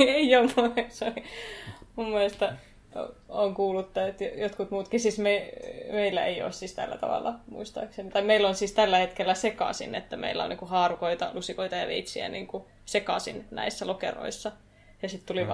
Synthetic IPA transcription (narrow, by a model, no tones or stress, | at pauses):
eiomusoi | mumːuist̪ɑ | o̰oŋkuːlut̪ːɑet̪jojot̪kut̪muːt̪kisiːsmeimeilːæḛio̰ːssiːst̪æ̰lːæ̰t̪ɑ̰ʋɑ̰lːɑmṵist̪ɑ̰ːksenit̪ɑimeilːonsiːst̪ælːæhet̪kelːæsekɑ̰sḭnet̪ːæmḛilːæ̰o̰niːkuhɑːrukoit̪ɑlusikoit̪ɑjɑ̰ʋeit̪siæ̰nḭːŋku | sekɑsḭnnæ̰isːælokḛro̰isːɑ | jɑsit̪t̪uliʋ